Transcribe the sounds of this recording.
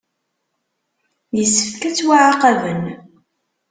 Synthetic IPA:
jəsːə̥ffkæt͡sːwaʕaqɑvən

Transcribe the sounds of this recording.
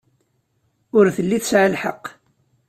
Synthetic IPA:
ʊɾθəlːiθəsʕəlħəqː

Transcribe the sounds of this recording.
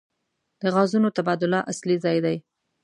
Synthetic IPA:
d̪̥əɣɑzunot̪abɑd̪ʊlaʔaslizɑjd̪aj

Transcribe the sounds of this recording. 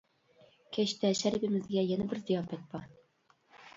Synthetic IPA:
kʰæɕt̪æʃæɾibɘmɘ̆zɡæjænæbɘɾzijɑfæt̪̚b̥ɑɾ

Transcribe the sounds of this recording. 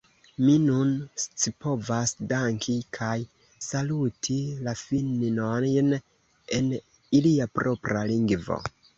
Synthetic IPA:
minunst͡sipo̞vasdaŋkʰikʰaj | salutʰilafinnojn | e̞n | iliapɾʔo̞pɾaliŋɡvo̞̰

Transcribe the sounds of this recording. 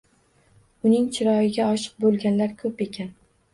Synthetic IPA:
ʊnɪŋt͡ʃʰɪɾɒjɪɡʲaɒʃɪ̥q̚bolˠɡʲanlaɾkʰɵpe̞kʲʰan

